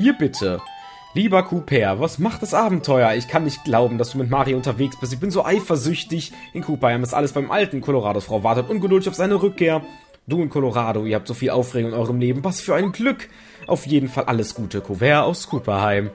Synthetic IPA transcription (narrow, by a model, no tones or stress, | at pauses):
iːɐbɪtʰə | liːbɐkʰupʰɛːɐvasmaχt̚d̥asʔaːbm̩tʰɔʏɐɪçkʰanːɪçt̚ɡ̥laʊbm̩dasd̥uːmɪtmaːʁiʔʊntɐveːksb̥ɪstɪçb̥ɪnzoːʔaɪfɐzʏçtɪç | ʔɪnkʰuːpɐhaɪmɛstʔa̰ləsb̥aɪmʔaltn̩kʰɔloʁ̞aːdofʁ̥aʊvaɐtətʔʊnɡədʊldɪçaʊfz̥aɪnəʁʏkʰːeːɐ | d̥uːʊntkʰɔloʁaːdoiːɐhap̚tz̥oːfiːlʔaʊfʁeːɡoʊŋɪnʔɔʏʁəmleːbm̩vasfyːɐʔaɪnɡlʏk | ʔa̰ʊfjeːdn̩falʔa̰ləsɡ̥uːtʰəkʰuvɛːɐa̰ʊskʰuːpɐhaɪm